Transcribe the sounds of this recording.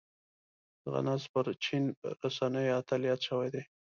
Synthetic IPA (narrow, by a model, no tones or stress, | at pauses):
ɣa̰nɑzpəɾt͡ʃinɾasanəjat̪alijɑt̪ʃəwajd̪e